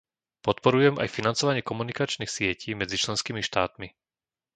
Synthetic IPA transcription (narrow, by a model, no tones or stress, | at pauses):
pɔt̪pɔɾujɛma̰jfinant͡sɔʋaɲɪɛkɔmunikat͡ʃniːxsɪɛciːmɛd͡zit͡ʃlɛnskiːmiʃt̪aːt̪mi